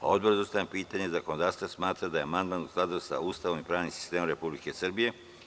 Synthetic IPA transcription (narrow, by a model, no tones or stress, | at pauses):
a̰o̞d̪̚boɾzost̪ajampiːt̪aɲezakonod̪aːɾst̪asmaːt̪ɾad̪ajeamand̪manusklˠad̪usa̰ust̪aʋomipɾaːʋnimsi̥st̪e̞ːmomɾe̞publike̞sr̩bije̞